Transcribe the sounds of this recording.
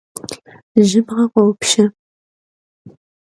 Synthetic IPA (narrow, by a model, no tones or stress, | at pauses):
ʒɪbʁɐqʷɔwpʃɐ